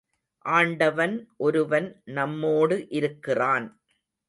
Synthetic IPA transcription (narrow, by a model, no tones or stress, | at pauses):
ʔaːɳɖɐʋɐnʔɔɾɯʋɐnnɐmːoːɽɯʔɪɾɯkːɪraːn